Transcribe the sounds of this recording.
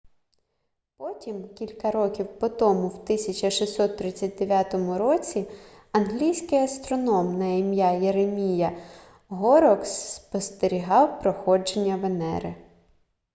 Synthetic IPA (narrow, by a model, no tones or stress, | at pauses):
pɔtʲimkʲilʲkɐɾɔkʲiwpɔt̪ɔmʊwt̪ɪsʲɐt͡ʃɐʃisʲɔt̪ːɾɪt͡sʲːɐt̚ʲd̪eʋʲjat̪ɔmʊɾɔt͡sʲi | ɐnɦlʲijsʲkɪjɐst̪ɾɔnɔmnɐimjajeɾemʲijɐ | ɦɔɾɔksːpɔst̪eɾʲiɦɑwpɾɔxɔd͡ʒenʲːɐʋenɛ̰ɾɪ̰